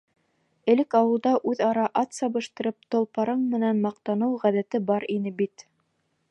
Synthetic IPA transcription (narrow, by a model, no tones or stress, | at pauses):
ɘ̆lɘkɑwɤ̆lˠd̪ɑʔʉðɑɾɑʔɑt̪sɑβɤ̆ʃt̪ɤ̆ɾɤp̚t̪ŏlˠpɑɾɤɴmɘ̆nænmɑq̚t̪ɑnɤwʁæðæt̪ɘbɑɾinɘbit̪